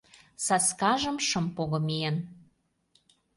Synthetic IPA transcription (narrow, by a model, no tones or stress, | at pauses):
sɑskɑʒə̆mʃə̆mpoɣɤ̆mien